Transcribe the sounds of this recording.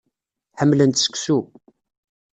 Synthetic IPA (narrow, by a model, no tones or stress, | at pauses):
ħəmːlənt̪sə̥ksu